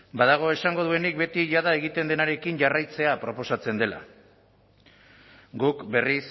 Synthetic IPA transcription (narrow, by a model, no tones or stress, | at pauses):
bað̞aɣ̞o̞e̞saŋɡo̞ð̞ue̞nik̚be̞t̪iʝaðae̞ɣ̞it̪e̞nd̪e̞naɾe̞kiɲʝarajt͡se̞apɾo̞po̞sat͡se̞nd̪e̞la̰ | ɡukbe̞ris